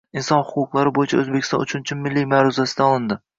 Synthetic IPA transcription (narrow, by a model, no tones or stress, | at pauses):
ɪnsɒnhʊqʊqlˠaɾɪbojɪt͡ʃʰaɵzbekʲɪ̥st̪ɒ̰nʊt͡ʃʰʊnt͡ʃʰɪmmːɪlːimaɾʊzasɪd̪aɒlˠɪnd̪ɪ